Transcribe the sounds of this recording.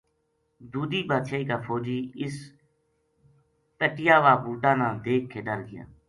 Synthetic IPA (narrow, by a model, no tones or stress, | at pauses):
d̪uːd̪iːbaːt̪ʃaːiːkaːpʰoːd͡ʒiːɪs | pəʈɪjaːʋaːbuːɖãːnãːd̪eːkʰːeːɖəlɡɪja̰ː